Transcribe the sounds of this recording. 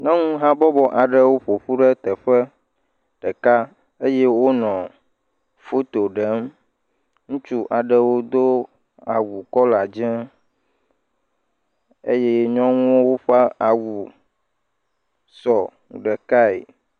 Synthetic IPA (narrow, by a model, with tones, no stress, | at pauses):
nɛ̃˦ŋũ˦ɦã˦bɔ˦bɔ˦ʔa˨ɖə˦wo˦ɸo˨ɸu˦ɖɛ˦t̪ɛ˨ɸɛ˦ | ɖ̥ɛ˨ka˦ | e˦je˦wo˦nɔ̃˨ | fo˦t̪o˨ɖɛ˦m | ŋũ˦t͡ʃu˦ʔa˨ɖə˦wo˦d̪o˦ | a˨wu˨kɔ˦la˨d͡ʒɛ˦ | ḛ˦je˦ɲɔ̃˦ŋũ˦wo˦wo˦ɸa˦a˨wu˨ | sɔ˨ | ɖɛ˨ka˦ḛ˨